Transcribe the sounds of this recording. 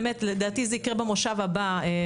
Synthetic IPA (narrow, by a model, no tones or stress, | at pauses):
met̪led̪aːt̪izɛikʁebemoʃavabae